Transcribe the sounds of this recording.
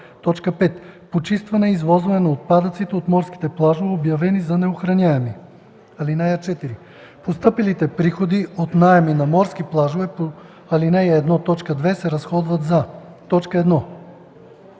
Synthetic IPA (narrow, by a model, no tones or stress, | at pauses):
t̪ɔt͡ʃkəpɛt̪pot͡ʃist̪vɐnɛizvɔzvɐnɛnɐot̪̚pad̪ɐt̪sit̪ɛot̪mɔɾsk̟i̥t̪ɛplˠaʒovɛobjɐvɛnizɐnɛoxɾɐnʲaɛmi | ɐlinɛjɐt͡ʃɛt̪iɾi | post̪ɤpilit̪ɛpɾixod̪iot̪najɛminɐmɔɾsk̟iplˠaʒovɛpo | ɐlinɛjɐɛd̪nɔt̪ɔt͡ʃkəd̪vɛsɛɾɐsxɔd̪vɐt̪zat̪ɔt͡ʃkəɛd̪nɔ